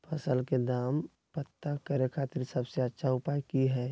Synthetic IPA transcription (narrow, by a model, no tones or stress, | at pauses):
pʰɐsəlked̪aːm | pət̪ːakəɾekʰaːt̪ɪɾsəbseətːʃʰaʊpaːjkiɦɛː